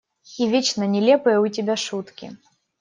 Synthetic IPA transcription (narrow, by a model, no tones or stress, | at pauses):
ivʲet͡ɕnɐnʲɛlʲɛpɨjɐutʲɛbʲaʂut̪kʲḭ